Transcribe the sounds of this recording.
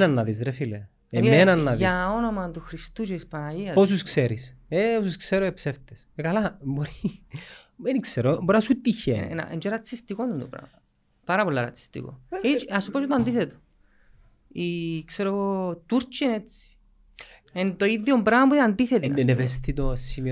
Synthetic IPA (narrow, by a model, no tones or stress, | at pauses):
nɐnːɐðizɾefile | emenɐnːɐðjiaonomɐt̪uxɾist̪ut͡ʃeispɐnaiɐpos̬uskseɾis | eosuskseɾoepseft̪esekalaboɾi | menikseɾoboɾnasut̪içḛna̰ʔḛnd͡ʒeɾɐt͡sːist̪ikond̪und̪upɾa̰mɐ | paɾɐpolːaɾɐ̰t͡sːi̥st̪ḭko̰it͡ʃasupot͡ʃot̪oand̪iθet̪o̥ | ikseɾoɣot̪uɾt͡ʃinet͡si̥ | ent̪oiðːjombɾamapoðand̪iθet̪ienevest̪it̪osimi